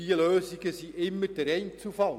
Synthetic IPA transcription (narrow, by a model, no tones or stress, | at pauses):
iəløːsɪɡ̥əsiʔɪmːədæɾɛɪnt͡sufɑl